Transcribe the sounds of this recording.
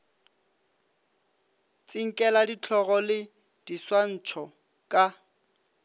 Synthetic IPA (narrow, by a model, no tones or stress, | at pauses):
t͡sʼiŋ̩kʼɛladit͡ɬʰɔɣɔlɪ | d̥iswan̩ːt͡ʃʰɔ | kʼa